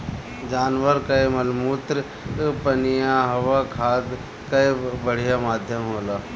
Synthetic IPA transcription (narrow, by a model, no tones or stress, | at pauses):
d͡ʒaːnʋəɾkɐjmɐlmuːt̪ɾ | pɐnijaɦɐʋakʰaːd̪ | kɐjbɐɽ̤ijamaːd̪ʱjəmɦoːlaː